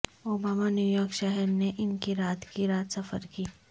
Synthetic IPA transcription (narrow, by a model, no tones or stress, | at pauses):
oːbaːmanjuːjɔːkʃɛɦɛɾneʔɪnkiɾaːt̪kiɾaːt̪sɐfə̰ɾkiː